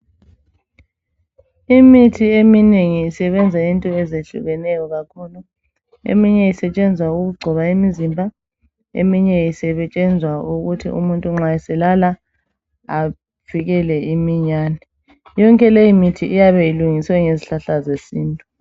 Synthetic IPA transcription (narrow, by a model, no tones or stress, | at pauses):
imitʰiemineŋiːsɛβɛnd͡zʱaintʼɔɛzeɬṵɣɛnɛjɔɣakʰulu | ḛmiɲɛisɛt͡ʃʼɛnd͡zʱwauɣuɡ͡ǀʱɔβaimizimbʱa | ḛmiɲɛjisɛβɛt͡ʃʼɛnd͡zʱwauɣutʰḭʔṵmuntʼuŋ͡ǁajɛsɛlala | a | v̥iɣɛlɛimiɲaːnɛ | jɔŋkʼɛlejimitʰiʔijaβɛjiluŋiswɛŋeziɬaɬazesiːntʼu